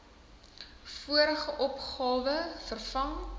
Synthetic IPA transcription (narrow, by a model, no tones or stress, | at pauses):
fuəɾəχəʔɔpχɑːvəfərfɐŋ